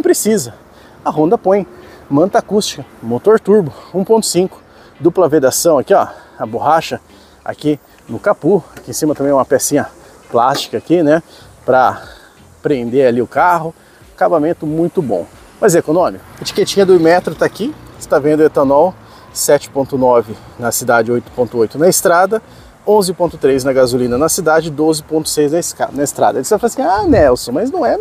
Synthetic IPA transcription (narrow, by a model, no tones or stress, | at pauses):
nɐ̃w̃pɾesizɐ | ɐɦõnd̪ɐpõj̃mɐ̃nt̪akust͡ʃɪ̥kɐmot̪oɾt̪uɾbʊũpõnt̪ʊ̥sĩkʊ̥ | d̪uplɐved̪asɐ̃w̃akiɔɐboɦaʃɐ | a̰ki | nʊkapukɪẽsĩmɐt̪ɐmbẽj̃ɛũmɐpɛsĩɲɐ | plast͡ʃi̥kɐakinɛ | pɾɐ | pɾẽnd̪eɾaliʊkaɦʊ | kabamẽnt̪ʊmũj̃t̪ʊbõ̰ | mɐzeekonõmikʊɐt͡ʃi̥ket͡ʃĩɲɐd̪ʊjmɛt̪ɾʊt̪akist̪avẽnd̪ʊet̪ɐ̃nɔw | sɛt͡ʃɪ̥põnt̪ʊnɔvɪ | nɐsid̪ad͡ʒɪojt̪ʊ̥põnt̪ʊojt̪ʊnɐɪst̪ɾad̪ɐ | õzɪpõt̪ʊt̪ɾejznɐɡazulĩnɐnɐsid̪ad͡ʒɪd̪ozɪpõt̪ʊ̥sejznɐɪskanɐɪst̪ɾa̰d̪ɐelɪsafalasĩanɛwsʊmɐznɐ̃w̃ɛ